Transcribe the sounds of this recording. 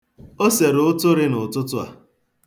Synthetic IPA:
o˦se˨ɾʊ˨˦ʊ˦tʊ˦ɾɪ˦nʊ˨tʊ˦tʊ˦a̰˨

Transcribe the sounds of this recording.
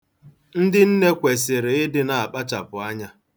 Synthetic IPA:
n̩˦dɪ˦n̩˦ne˦kʷe˨s̬ɪ˨ɾɪ˨ɪ˦dɪ˦na˨a˨k͡pa˦t͡ʃa˨pʊ˨a˦ɲa˦

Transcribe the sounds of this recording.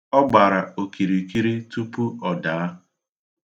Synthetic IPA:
ɔ˦ɡ͡ba˨ɾa˨o˨ki˨ɾi˨ki˦ɾi˦tu˦pu˦ɔ˨da˨˦

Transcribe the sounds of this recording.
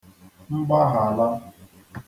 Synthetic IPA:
ŋ͡m̩˦ɡ͡ba˦ɦa˨la˦

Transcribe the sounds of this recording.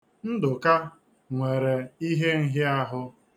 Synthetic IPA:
n̩˦dʊ˨ka˦ | ŋʷe˨ɾe˨i˦ɦe˦n̩˦ɦɪ˦a˦ɦʊ˦

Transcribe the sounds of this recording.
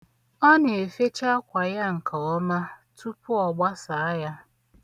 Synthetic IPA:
ɔ˦ne˨e˨fe˦t͡ʃa˦kʷa˨ja˦ŋ̩˨kʰa˨ɔ˦na˦tʰu˦pʊ˦ɔ˨ɡ͡ba˦sa˨a˦ja˦

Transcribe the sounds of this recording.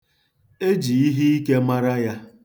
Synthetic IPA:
e˦d͡ʒi˨i˦ɦi˦i˦ke˦ma˦ɾa˦ja˦

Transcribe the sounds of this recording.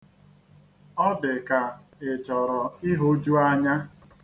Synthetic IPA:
ɔ˦dɪ˨ka˨ | ɪ˨t͡ʃɔ˨ɾɔ˨ɪ˦ɦo˦d͡ʒu˦a˦ɲa˦

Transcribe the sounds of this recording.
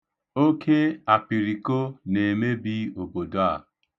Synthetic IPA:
o˦kʰe˦a˨pi˨ɾi˨ko˦ne˨me˦bi˦o˨bo˨do˨˦a̰˨

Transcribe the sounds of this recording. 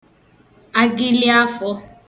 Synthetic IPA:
a˦ɡɪ˦li˦a˦fɔ˦

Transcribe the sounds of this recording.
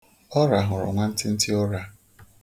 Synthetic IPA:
ɔ˦ɾa˨ɦʊ˨ɾʊ̰˨ŋʷa˦n̩˦tɪ˦n̩˦tɪ˦ɔ˦ɾa˦

